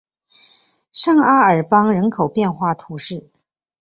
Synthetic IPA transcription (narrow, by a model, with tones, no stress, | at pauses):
ʂɑ˥˩ŋa˥ə˞˨˩pɑ˥ŋɻə˧˥nkʰo˨˩ʊpjɛ˥˧nxwa˥˩t̪ʰu˧˥ʂɻ̩˥˩